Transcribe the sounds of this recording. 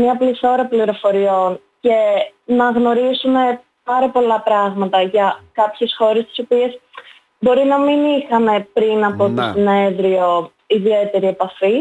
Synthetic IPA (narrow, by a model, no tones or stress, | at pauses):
mɲɐpliθo̞ɾɐpliɾo̞fo̞ɾio̞n | ce̞nɐɣno̞ɾizume̞ | pɐɾɐpo̞lɐpɾɐɣmɐt̪ɐʝɐkɐpçesxo̞ɾe̞st̪i̥sopie̞s | bo̞ɾinɐminixɐne̞pɾinɐpo̞t̪o̞sine̞ðɾio̞ | iðie̞t̪e̞ɾie̞pɐfi